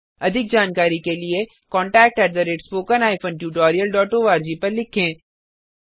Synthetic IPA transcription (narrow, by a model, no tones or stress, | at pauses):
ɐd̪ʱɪk̚d͡ʒaːnkaːɾikelie | kɔ̃ːɳʈɛːk̚ʈɛɾd̪əɾeːʈspoːkənaːɪfʰə̃nʈjuːʈɔːɾijəlɖɔːʈoːʋaːɾd͡ʒipɐɾlɪkʰẽː